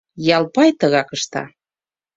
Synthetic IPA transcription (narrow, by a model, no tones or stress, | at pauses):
jɑlpɑjt̪əɣɑkəʃt̪ɑ̰